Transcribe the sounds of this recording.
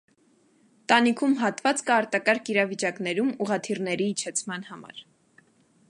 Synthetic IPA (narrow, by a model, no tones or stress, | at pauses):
t̪ɑnikʰumɦɑt̪vɑt͡skɑːɾt̪ɑkɑɾkʰiɾɑvit͡ʃɑknɛɾumuʁɑt̪ʰirnɛɾiːt͡ʃʰɛt͡sʰmɑnhɑmɑ̰ɾ